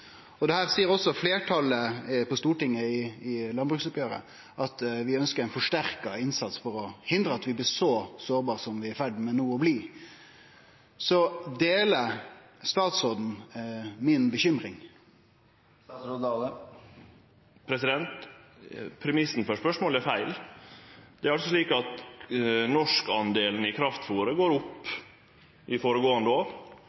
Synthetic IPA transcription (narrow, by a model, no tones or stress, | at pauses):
ɔd̪ɛhæːʁsiːəʁɔsːɔfleːʈʰɑləpɔst̪uːʈɪŋːəɪɪlɑnbʁʉksɔpjøːɾə̰ | ʔɑt̪ʋɪœnskəɾæɪnfɔʂʈæʁkɑɪnsɑt̪sfɔɾɔhɪnd̪ɾəɑt̪ʋɪblɪːɾsɔsoːʁbɑːʁsɔmʋɪæɾfæɖmɛnuːɔbliː | sɔd̪eːləst̪ɑːt̪sʁoːd̪n̩ | mɪnbəçʏmɾɪŋ | pʰɾɛsɪd̪ɛnt̪ | pʰɾɛmɪsn̩fɔʂpœʂmoːlæɾfæɪl | d̪̥ɛæɾɑlsɔsliːkɑt̪ | nɔʂkɑnd̪eːlən̩ɪkʰɾɑft̪fuːɾəɡoːɾʊpː | ʔɪfoːɾəɡoːɑnd̪əoːɾ